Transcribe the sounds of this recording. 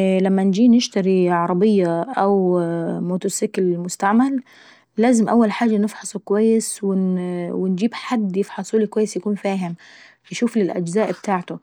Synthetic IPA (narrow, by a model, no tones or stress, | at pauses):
læmːænd͡ʒiːnɪʃt̪aɾiʕɑɾˤɑbɪjːaʔawmoːt̪osɪkɪlmʊst̪aʕmalː | æːzɪmʔawːalħaːd͡ʒanɪfħɑsˤukʊwajːɪswɪwɪnd͡ʒiːbħad̪ːjɪfħɑsˤulikwajːɪsjakuːnfaːɦɪm | fɪʃuːflɪlʔæ̰d͡ʒzaːʔbt̪aːʕt̪ʊ